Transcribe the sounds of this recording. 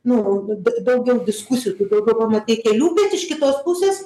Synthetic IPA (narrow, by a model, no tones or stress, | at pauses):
nʊdd̪ɐʊɡʲɛʊd̪ʲɪskʊsʲɪjut̪ɐd̪ɐʊɡʲɛʊpɐmɐt̪ʲɐɪkʲɛːlʲuːpʲeːsɪʃkʲɪt̪oːspʊsʲeːs